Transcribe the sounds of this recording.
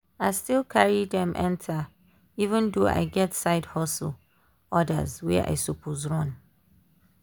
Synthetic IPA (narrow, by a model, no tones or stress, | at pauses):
aɪstilˠkʰaɹidɛ̃mʔɛ̰̃ntʰa | ivə̃ndoa̰ɪɡɛtsaɪdhɔsəl̩ | ɔdə̰zwɛ̰ʔa̰ɪsopʰozɹɔ̃n